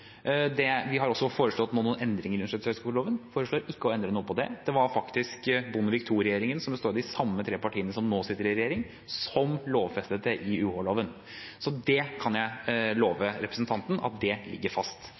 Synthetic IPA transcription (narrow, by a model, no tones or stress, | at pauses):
d̪ɛʋɪɦɑɾɔsːɔfoːɾəʂɭɔt̪noːnuːnɛnd̪ɾɪŋəɾʉnəʂʈɛt̪sœskʊɭoːʋənfoːɾəʂɭoːɾɪkːəɔɛnd̪ɾənuːəpʰɔd̪ɛ̰d̪̥ɛʋɑɾfɑkt̪ɪskbʊnəʋɪkt̪ʰuːɾɛjeːɾɪŋənsɔmbəst̪oːɾd̪ɪsɑmːət̪ʰɾeːpɑʈʰiːənəsɔmnoːsɪt̪ːəɾɪɾɛjeːɾɪŋ | sɔmloːʋfɛst̪ət̪ʰəʔɪʉːhoɭoːʋən | sɔd̪ɛkʰɑnjæɪloːʋəɾɛpɾəsn̩t̪ʰɑnt̪n̩ɑ̰t̪̚d̪ɛlɪ̰ɡːəɾfɑst̪